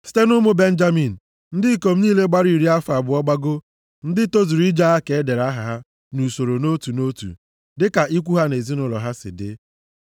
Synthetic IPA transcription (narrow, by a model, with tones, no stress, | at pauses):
si̥˦te˦nʊ˦mʊ˦be˦n̩˦d͡ʒa˦mi˨n̩˨ | n̩˦dɪ˦i˦˨ko˨m̩˦niː˦le˦ɡ͡ba˦ɾi˨ɾi˦a˦fa˨bʊ˨˦ɔ˦ɡ͡ba˦ɡʊ˦ | n̩˦dɪ˦to˦zi˨ɾi˦d͡ʒa˦a˦ke˨e˦de˨ɾa˦ɦa˨ɦa˦ | nu˨so˨ɾo˨no˦tu˨no˦tṵ˨ | dɪ˦ka˨ʔi˦k̬ʷu˦ɦa˦ne˨zi˦nʊ˦lɔ̰˨ɦa˦sɪ̰˨dɪ̰˦